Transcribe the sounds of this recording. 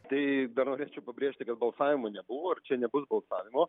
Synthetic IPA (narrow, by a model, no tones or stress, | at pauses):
t̪ɐɪd̪ɐɾnoːɾʲeːt͡ʃʲɛʊpɐbʲɾʲeːʃʲt̪ʲɪkɐt̪̚bɐlˠsɑːʋʲɪmoːnʲɛbʊʋoːɐrt͡ʃʲɛnʲɛbʊsbɐlˠsɑ̰ːʋʲɪmoː